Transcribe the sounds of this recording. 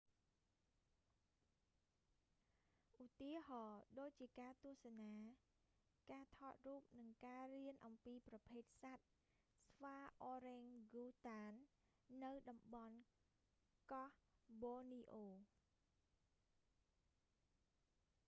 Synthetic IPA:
ʔut̪iəhɑːɗoːc̚t͡ɕiəkaːt̪ʊəhsanaː | kaːt̪ʰɑːt̪̚ruːp̚nɨŋkaːriənʔɑmpiːprɑpʰeːt̪̚sat̪̚ | sʋaːʔoːɾeːŋɡuːt̪aːnː | ɨwɗɑmɓɑn | kɑhɓoːniːʔoː

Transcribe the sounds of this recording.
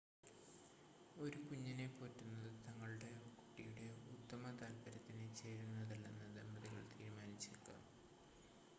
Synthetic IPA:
o̞ɾukuɲːɐne̞po̞ːtːunːɐðɨt̪ɐŋːɐɭuɽe̞kːu̥ʈːijuɽe̞ut̪ːɐmɐt̪ɐlbɐɾɐt̪ːinet͡ɕeːɾunːɐðɐlːe̞nːɨd̪embɐðiɣɐɭt̪ḭːɾumaːnit͡ɕːilkːa̰m

